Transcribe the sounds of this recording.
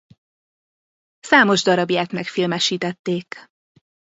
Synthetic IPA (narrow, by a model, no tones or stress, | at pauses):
saːmo̞ʒd̪ɒɾɒbjaːknɛkfilmɛʃiːt̪ɛt̪ːeːk